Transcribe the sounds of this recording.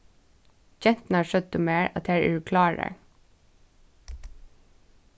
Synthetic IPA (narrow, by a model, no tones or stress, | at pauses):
d͡ʒɛnt̪n̩hɑːʃœd̪̚nuːmeːɹɑ̰t̪hæːɹḛʉkʰlɑːɾæ̰